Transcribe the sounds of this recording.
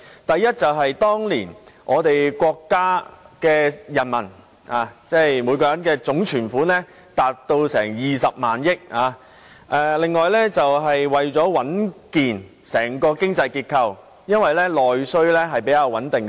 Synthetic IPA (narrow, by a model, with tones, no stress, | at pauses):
t̪ɐ˨jːɐ˥t̚t͡sɐ˨wɦɐ˨jt̪ɔː˥ŋliː˨˩nʔɔː˨˧t̪e˨jkʷɔː˧kːaː˥kɛː˧jɐ˨˩nmɐ̰˨˩n | aː˨˧t͡sɛː˥˩jmu˨˥jkɔː˧jɐ˨˥nkɛː˧t͡sʊ˨˥ŋt͡ʃʰyː˨˩nfuː˨˥nɛː˥ | t̪aː˨t̚t̪o˧wsɛ̰ː˨˩ŋjiː˨sɐ˨p̚maː˨njɪ˥k̚aː˨˧ | ʔɛ˧lɪ˨˧ŋːɔː˨jlɛː˥t͡sɐ˨wɦɐ˨jwɐ˨jt͡sɔː˨˥wɐ˨˥nkiː˨n | sɛː˨˩ŋkɔː˧kɪ˥ŋt͡sɐ˧jkiː˧t̚kʰɐ˧w | jɐ˥nwɐ˨jlɛ˥lɔː˨jsɵ˥ɥlɛː˥ɦɐ˨jpe˨˥jkaː˧wɐ˨˥nt̪ɪ˨ŋ